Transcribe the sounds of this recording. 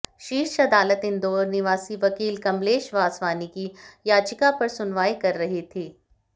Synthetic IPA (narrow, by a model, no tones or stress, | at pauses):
ʃiːɾʃɐd̪aːlət̪ɪ̃nd̪oːɾnɪʋaːsiʋɐkiːlkɐmleːʃʋaːsʋaːnikijaːt͡ʃɪkapɐɾsʊnʋaːikɐɾːɐɦit̪ʰiː